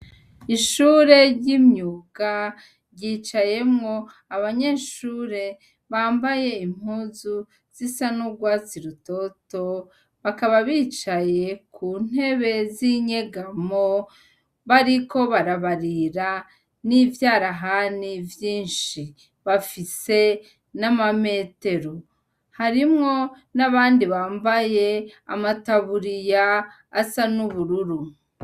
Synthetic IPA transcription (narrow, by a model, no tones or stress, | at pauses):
iʃuːɾe̞ɾɟimɲuːɡa | ɾɟit͡ʃaje̞mŋo̞ | aβaɲe̞ːʃuːɾe̞ | βaːmbaje̞im̥huːzu | z̥isanuɡwaːt͡siɾuto̞to̞ | βakaβaβiːt͡ʃaje̞kʰun̥e̞βe̞ziɲeɡamo | βaɾiko̞βaɾaβaɾiɾa | niːvjaːɾaɦanivjiːnʃi | βafise̞ | namame̞te̞ɾo | haɾimŋo̞ | naβaːndiβaːmbaje̞a̰mataβuɾijaː | sanuβuɾuɾu